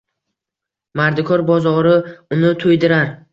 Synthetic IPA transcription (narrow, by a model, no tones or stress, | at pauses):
maɾd̪ɪkʰɒɾbɒzɒɾɪʊnɪt̪ʰʊjd̪ɪɾaɾ